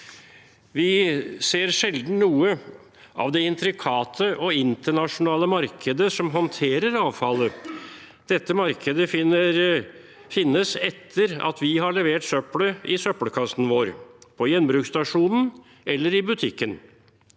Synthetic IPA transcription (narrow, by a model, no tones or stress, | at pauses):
ʋɪseːɾʂɛld̪n̩nuːə | ʔɑ̰ʋd̪ɛɪnt̪ɾɪkʰɑːt̪ʰəʔɔɪnt̪əɳɑʂʊnɑːləmɑɾkʰəd̪əsɔmɦɔnt̪ʰeːɾəɾɑːʋfɑlːə | d̪̥ɛt̪ːəmɑɾkʰəd̪ə | fɪnːəsɛt̪ʰːəɾɑ̰t̪ʰʋɪɦɑɭɛʋeːʈsœpɽəɪsœpləkʰɑst̪n̩ʋoːɾpʰɔjɛnːbɾʉːkst̪ɑʂuːnn̩ | ʔɛlːəɾɪbʉt̪ʰɪkːən